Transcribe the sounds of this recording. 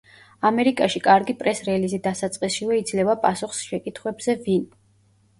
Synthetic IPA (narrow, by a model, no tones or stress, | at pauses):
amɛɾikʼaʃikʼaɾɡipʼɾɛsɾɛlizid̪asat̪sʼqʼisʃivɛid̪zlɛvapʼasuχsʃɛkʼit̪ʰχwɛbz̥ɛvin